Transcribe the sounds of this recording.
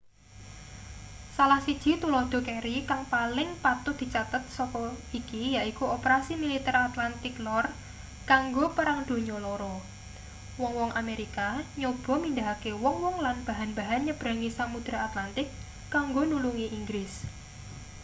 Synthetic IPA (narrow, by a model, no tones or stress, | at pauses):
salahsid̥ʒ̥i̤t̪ulɔd̪̥ɔ̤keɾikaŋpalɪŋpat̪ʊd̪̥i̤t͡ʃat̪ət̪̚sɔkɔikijaʔikuopəɾasimilit̪ɛɾat̪lant̪ɪknɔr | kaŋɡopəɾaŋd̪̥o̤ɲɔlɔɾɔ | wɔŋwɔŋʔameɾikaɲob̥ɔ̤mind̪aakewɔŋwɔŋlanb̥a̤ɦanb̥a̤ɦanɲəb̥ɾa̤ŋisamud̪̥ɾaat̪lant̪ɪkː | aŋɡonuluŋiʔiŋɡɾɪs